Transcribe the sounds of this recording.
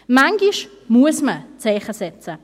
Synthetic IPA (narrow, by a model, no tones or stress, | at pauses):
maŋɡiʃ | muəsmət͡sɛɪχəsɛt͡sə